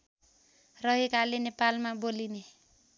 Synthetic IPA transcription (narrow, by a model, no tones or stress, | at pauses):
rʌɦekalenepalmaboline